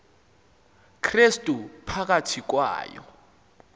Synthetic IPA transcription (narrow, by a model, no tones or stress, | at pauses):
kʰrestʼupʰak̬atʰik̬wa̰ːjɔ̰